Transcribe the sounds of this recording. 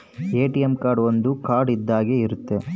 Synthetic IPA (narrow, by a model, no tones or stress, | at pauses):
eːʈijemkaːɾɖʋond̪ukaːɾɖid̪ːaːɡeiɾut̪ːe̞